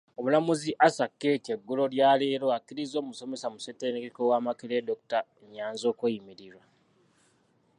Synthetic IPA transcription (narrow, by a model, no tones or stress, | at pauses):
o̞βulamuziʔasakːe̞te̞ɡːulo̞ljaːleɾoakːiɾizo̞ːmuso̞me̞samusetːenekekowaːmakeledokutaeɲːaːnzo̞ːkwejimiɾiɾwa